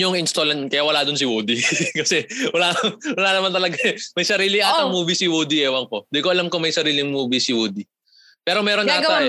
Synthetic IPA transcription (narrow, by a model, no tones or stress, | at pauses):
oŋʔɪnst̪olɐnkɐjawɐlaːd̪ʊnsɪwoːd̪ikɐsɛwɐlawɐlaːnɐmant̪ɐlɐɡɐmɐjsɐɾiːlɪʔaːɪŋmuːbisɪwod̪iʔɛːwɐŋkod̪ɪkoʔɐlamkomɐjsɐɾiːlɪŋmuːbisɪwuːd̪i | pɛːɾo̞mɛːɾonaːɡɐa